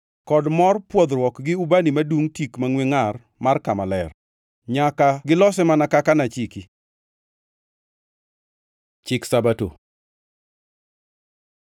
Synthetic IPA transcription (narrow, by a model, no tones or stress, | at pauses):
kɔdmɔrpwɔd̪ɾwɔkɡɪubanimaduŋtikmaŋweŋar | markamalɛr | ɲakaɡɪlɔsɛmanakakanat͡ʃiki | t͡ʃɪksabato̰